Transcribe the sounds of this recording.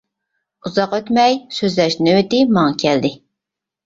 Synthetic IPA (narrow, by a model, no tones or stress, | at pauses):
uzɑqøt̪mɛjsøzlɛʃnɪøt̪ɪmɑŋɑkʲʰɛld̪ɪ